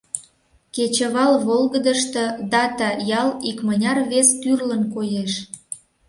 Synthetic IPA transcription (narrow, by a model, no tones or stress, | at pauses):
ket͡ɕəβɑlβolɣəd̪əʃt̪ɤ̆d̪ɑt̪ɑjɑlikmənʲɑrβest̪yrlənkojeʃ